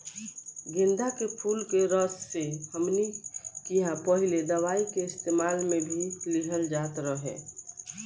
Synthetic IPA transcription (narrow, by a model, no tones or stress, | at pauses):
ɡẽnd̪akepʰulkeɾəsːehəmnikiɦãpəɦiled̪əʋaːikeɪst̪emaːlmẽbʱilɪɦəld͡ʒat̪ɾəɦḛ̃